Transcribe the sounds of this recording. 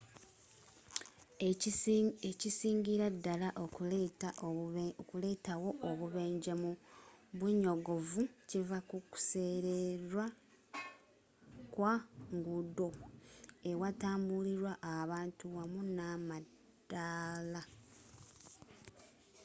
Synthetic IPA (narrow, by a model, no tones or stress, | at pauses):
ecisiːŋɡiɾadːalaʔta | kule̞ːtawo̞ʔːβuβe̞ːɲɟemuβuɲo̞ɡo̞vucivakuku̥se̞ɾeɾwa | kwaŋɡudo̞ | e̞wataːmbuliɾwaʔaβaːntuwamunama | dala